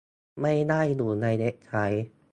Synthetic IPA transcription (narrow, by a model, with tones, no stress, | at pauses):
ma˥˩jna˥˩jduː˨˩na˧jne˦˥ʔ̚t͡ɕʰa˦˥j